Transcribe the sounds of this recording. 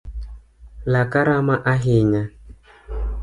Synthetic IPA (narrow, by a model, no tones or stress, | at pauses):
lakaɾamaʔaɦɪɲa